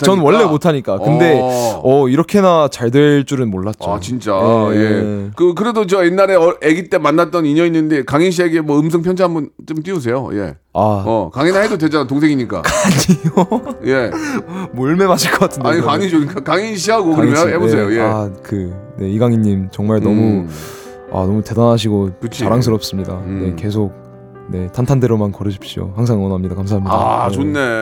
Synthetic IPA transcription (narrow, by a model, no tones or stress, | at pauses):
t͡ɕt͡ɕʌnwʌɭːe̞motʰaɲik͈akɯnde̞ʌiɾʌkʰe̞nat͡ɕaɭdwe̞ɭt͡ɕ͈uɾɯnmoɭːat̚t͡ɕ͈ot͡ɕint͡ɕ͈ajekɯk̬ɯɾe̞dot͡ɕʌinːaɾe̞ʌeɡit͈e̞manːat̚t͈ʌniɲʌinːɯnde̞kaŋinɕ̬ʰieɡemwʌɯms̬ʰʌŋpʰjʌnd͡ʑiɦambʌnt͡ɕ͈omt͈ios̬ʰe̞jo̰je̞̰ | aʌ̰kaŋinhedodwe̞d͡ʑanat̬oŋs̬ʰeŋiɲik͈a̰kaɲijoje̞moɭme̞maɕʰiɭk͈ʌk͈atʰɯnaɲiɡaɲid͡ʑoɡik͈akaŋinɕ̬ʰiɦaɡokɯʌmjʌɦebosʰejojeakɯne̞iɡaŋiɲːimt͡ɕʌŋmaɭnʌmu | a̰nʌmute̞danaɕ̬ʰiɡokɯt͡ɕʰt͡ɕiaɾaŋs̬ʰɯɾʌp̚s͈ɯmɲidanne̞ke̞s̬ʰok̚ | ne̞tʰantʰandeɾomankʌɾɯɕʰi̥p̚ɕ͈io̰haŋs̬ʰaŋʌnʌamɲidakamsʰaɦamɲida̰t͡ɕonːe